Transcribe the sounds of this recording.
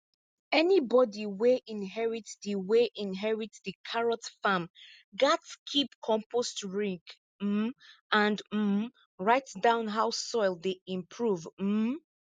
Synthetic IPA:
ɛnibɔdiweʔĩnɦɛɹitdiweʔĩnɦɛɹitdəkʰaɹɔtfãm | ɡatskʰipkʰɔ̃mpʰostɹĩŋk̩ | ãndm̩ | ɹaɪtdãʊ̃nɦaʊsɔɪlˠdeĩmpʰɹuv̩

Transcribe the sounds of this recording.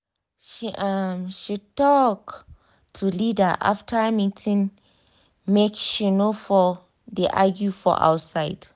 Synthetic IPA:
ʃiʔamʃitɔk | tʰulidəʔa̰ftʰəmitʰĩŋ | mekʃinofɔ | deʔaɡjufɔ̰ʔa̰wsaɪd̥

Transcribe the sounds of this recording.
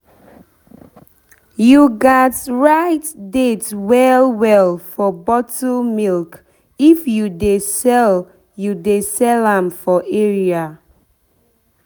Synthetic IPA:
juɡatɹaɪtdetwɛlˠwɛlˠfɔbɔtomilk | ifjudesɛl | judesɛlãmfɔʔɛɹia

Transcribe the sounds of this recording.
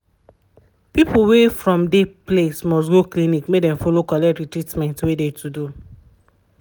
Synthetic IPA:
pipulwefɹɔ̃mdeplesmɔstɡoklĩnikmek̚dɛ̃mfolokɔlɛtɹitɹitmɛ̃ntwedetudu

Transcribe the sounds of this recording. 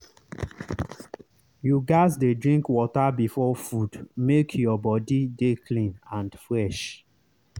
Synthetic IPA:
juɡaɪzdedɹĩŋkwɔtabifɔfudmekʰjɔbɔdidekʰlĩnãndfɹɛʃ

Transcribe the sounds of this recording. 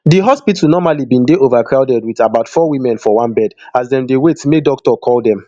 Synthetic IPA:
diɦɔspitnɔmalibĩndeʔovakʰɹaʊdɛdwiðabaʊtfɔwĩmɛ̃nfɔwãnbɛdazdɛ̃mdewetmedɔk̚tɔkʰɔldɛ̃m

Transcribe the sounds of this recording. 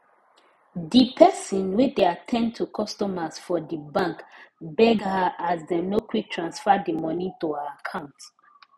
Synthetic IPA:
dipʰɛsɔ̃nwideatʰɛ̃nd̚tʰukʰɔstɔməsfɔdibãŋkbɛɡhəʔazdənokʰwitʰɹãnsfadimɔnituəakʰãʊ̃nt

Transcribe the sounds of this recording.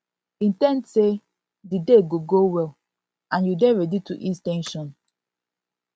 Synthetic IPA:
ĩntɛ̃ndse | dideɡoɡowɛl | ãnjudɛnɹɛdituʔiztɛ̃nʃɔ̃n

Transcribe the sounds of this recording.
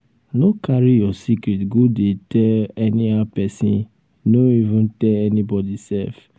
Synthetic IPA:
nokʰaɾijɔsikɾitɡodetɛɛniapɛsḭ̃ | noivũntɛɛnibɔdisɛ̰f

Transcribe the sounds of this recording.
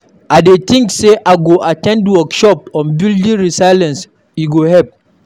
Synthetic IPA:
adet̪ĩŋkseʔaɡoʔatɛ̃ndwɔkʃɔp̚ɔ̃nbildĩɹisaɪlɛ̃ns | jiɡohɛp̚

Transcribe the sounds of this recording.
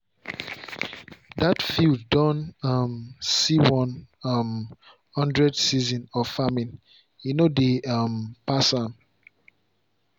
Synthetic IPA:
datfildːɔ̃namsiwɔ̃nm | hɔ̃ndɹɛdsizɔ̃nɔfamĩn | junodeampasãm

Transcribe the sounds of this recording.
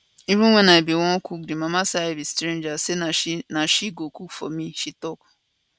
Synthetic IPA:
iɾũwʷẽnãebiwɔ̃kʰuk̚dimãmãsaebistɾẽnd͡ʒasenãnãʃiɡokukfɔmĩʃitɔk

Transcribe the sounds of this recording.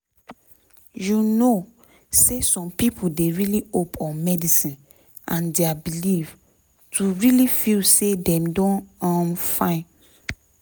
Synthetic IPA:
juno | sesɔ̃mpipʰodeɹiliopʰɔ̃nmɛdisĩn | ʔãndeabiliv | tʰuɹilifilsedɛ̃mdɔ̃nãmfãɪ̃n

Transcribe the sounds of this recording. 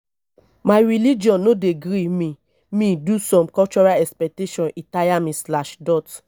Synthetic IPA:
majɾilid͡ʒɔ̃nːodeɡɾimĩ | mĩdusɔ̃mkɔt͡ʃɔɾalɛkspɛk̚teʃɔ̃nĩtajamĩslaʃdɔt

